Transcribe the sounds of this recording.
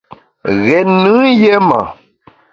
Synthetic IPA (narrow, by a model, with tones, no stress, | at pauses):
ɣɛ˨nɨ̃˦je˦ma̰˨